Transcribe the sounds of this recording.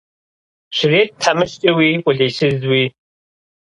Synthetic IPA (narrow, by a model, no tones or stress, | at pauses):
ʃʷɪreːt̚ʰamɨʃt͡ʃʼɐwiːkʷʼʊɮeːsɨzwiː